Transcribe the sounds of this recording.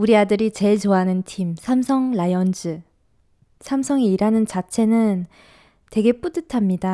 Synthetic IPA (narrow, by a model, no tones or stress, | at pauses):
uɾiadɯɾit͡ɕe̞ɭt͡ɕoanɯntʰimsʰamsʰʌŋlajʌnd͡ʑɯ | sʰamsʰʌŋeiɾanɯnt͡ɕat͡ɕʰe̞nɯn | twe̞ɡe̞p͈udɯtʰamɲida